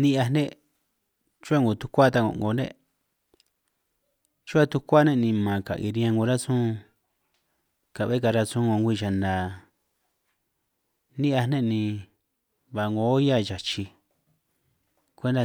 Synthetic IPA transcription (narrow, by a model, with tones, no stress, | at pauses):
nĩ˦ʔa˧nẽ˦ | t͡ʃu˦a˦˧ŋɡo˨t̪u̥˧˦kʷa˦t̪a˧ŋõ̰˧˨ŋɡo˧nḛ̃˦ | t͡ʃu˦a˦t̪u˧kʷa˦nẽ˦˧nĩ˧mã˨ka̰˨ʔi˧ɾi˧ã˧ŋɡõ˧ɾa˦sũ˦˧ | ka˨βe˦ka˧ɾa˧sũ˦ŋõ˧ŋɡʷi˦˧˨ʃa˨nd̪a˨ | nĩ˦ʔa˧nnẽ˦nĩ˧ | βa˧ŋɡo˧˦ja˦˨t͡ʃa˨t͡ʃi˧ | kʷe˦nd̪a˧